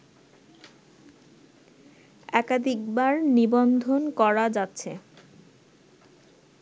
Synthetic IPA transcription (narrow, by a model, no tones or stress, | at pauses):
ɛkad̪ʱik̚baɾnibond̪ʱonkɔɾad͡ʑatːɕʰe